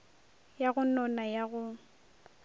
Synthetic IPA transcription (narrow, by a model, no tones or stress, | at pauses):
jaɣʊnɔnajaɣʊ